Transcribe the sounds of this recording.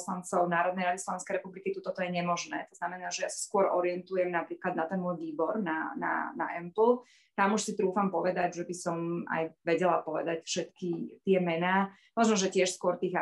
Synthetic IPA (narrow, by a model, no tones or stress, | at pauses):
slant͡sɔʊnaːɾɔd̪nɛɪjɾad̪islɔʋɛnskɛjɾɛpublikit̪ut̪ɔt̪ɔjɛɲɛmɔʒnɛ̰ːt̪ɔznamɛnaːʒɛjasḁskʊɔɾɔɾɪɛnt̪ujɛmnapɾiːklad̪̚nat̪ɛnmɔːjʋiːbɔɾna̰na̰na̰ʔɛmpl̩ˠ | t̪amuʃsit̪ɾuːfampɔʋɛd̪aɟʒɛbisɔma̰jʋɛɟɛlapɔʋɛ̰d̪acfʃɛt̪kit̪ɪɛmɛnaː | mɔʒnɔʒɛcɪɛʃskʊɔɾt̪iːɣa